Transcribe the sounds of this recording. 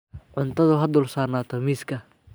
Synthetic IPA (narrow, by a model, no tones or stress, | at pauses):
ʕʊnt̪ʰɐðʊɦɐd̪ʊːlsaːrnaːt̪ʰɐmiːskʰɐ